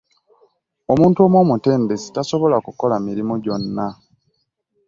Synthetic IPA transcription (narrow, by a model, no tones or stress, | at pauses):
o̞muːntuo̞ːmwomute̞ːmbe̞si̥taso̞βo̞lakuko̞lamiɾimoɟo̞nːa